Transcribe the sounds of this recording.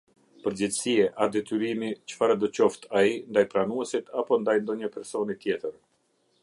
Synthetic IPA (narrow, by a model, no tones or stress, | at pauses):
pəɾd͡ʑɛt̪əsiɛʔad̪ɛt̪yɾimit͡ʃə̥faɾad̪ɔt͡ɕɔft̪ʰaind̪ajpɾanuɛsit̪ʰapɔnd̪ajnd̪ɔɲəpɛɾsɔnit̪jɛt̪əɾ